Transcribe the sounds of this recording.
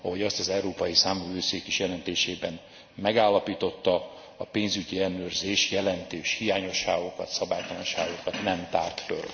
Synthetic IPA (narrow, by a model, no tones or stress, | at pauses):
ɒɦo̞ɟɒst̪ɒzɛuɾoːpɒjisaːɱvɛvøːseːkiʃjɛlɛnt̪eːʃeːbɛn | mɛɡaːlːɒpiːt̪o̞t̪ːɒ | ɒpeːnzyɟiɛnøːrzeːʃjɛlɛnt̪eːʃhijaːɲo̞ʃːaːɡo̞kɒt̪sɒbaːjt̪ɒlɔnʃa̰ːɡo̞kɒt̪nɛmt̪aːrt̪fø̰r